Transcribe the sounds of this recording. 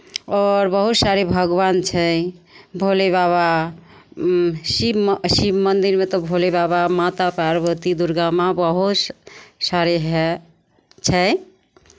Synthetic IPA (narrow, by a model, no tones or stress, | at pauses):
ɔɾbəɦut̪saɾebʱəɡbant͡ʃʰɛ | bʱolebaβa | sibsibmənd̪iɾmet̪ɔbʱolebaβamat̪apɾaɾbət̪id̪uɾɡamabəɦut̪saɾeɦɛ | t͡ʃʰɛ